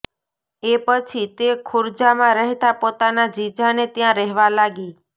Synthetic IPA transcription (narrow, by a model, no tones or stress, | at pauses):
epət͡ʃʰit̪ekʰʊɾd͡ʒamãɾəɦt̪apot̪anad͡ʒid͡ʒʱanet̪jãɾəɦʋalaɡi